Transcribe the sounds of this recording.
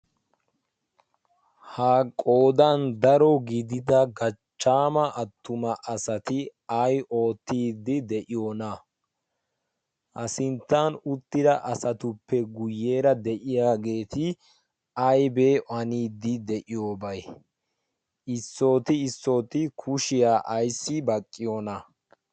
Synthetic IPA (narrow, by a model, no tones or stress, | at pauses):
hakʼo̞ːd̪ɐnd̪ɐɾɔɡɪd̪ɪd̪ɐɡɐt͡ʃːaːmɐʔɐt̪ːʊmɐʔɐsɐt̪ɪɐjʔo̞ːt̪ːiːd̪ːɪd̪ɛʔɪjo̞ːnɐ | ʔɐsɪnt̪ːanʊt̪ːɪd̪ɐʔɐsɐt̪ʊpːɛɡʊjːe̞ːɾɐd̪ɛʔɪjaːɡe̞ːt̪ɪ | ɐjbe̞ːʔɐniːd̪ːɪd̪ɛʔɪjo̞ːbɐj | ʔɪsːo̞ːt̪ɪːsːo̞ːt̪ɪkʰʊʃɪjaːʔɐjsːɪbɐkʼːɪjoːnɐ